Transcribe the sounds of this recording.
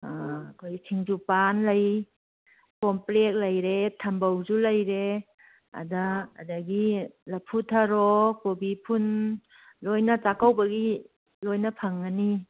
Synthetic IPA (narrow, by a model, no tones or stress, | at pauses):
akʰojsʰiŋd͡ʒupanlaj | kɔmplek̚lɐjɾetʰɐmbawzulɐjɾe | a̰da̰ːdɐɡilɐpʰutʰaɾɔkobipʰun | lojnɐt͡ʃakawbɐɡi | lojnɐpʰɐŋːani